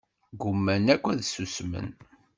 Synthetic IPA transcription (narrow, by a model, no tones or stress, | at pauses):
ɡʊmːænækʷːæðsusmə̰n